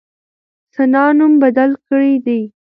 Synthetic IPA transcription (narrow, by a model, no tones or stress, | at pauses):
sanɑnumbad̪alkəɽid̪i